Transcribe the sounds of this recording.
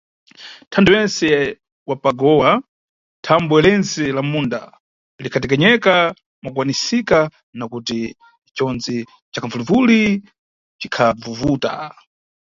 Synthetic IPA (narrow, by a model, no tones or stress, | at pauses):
tʰanduwɛnsɛ | wapaɡɔwa | tʰambuɛlɛnzɛlamunda̰ | likʰat̬ɛk̬ɛɲɛka | mak̬wanisika | nakuti | t͡ʃɔnzi | t͡ʃakʰavulivuli | t͡ʃikʰab͡vuvuːta̰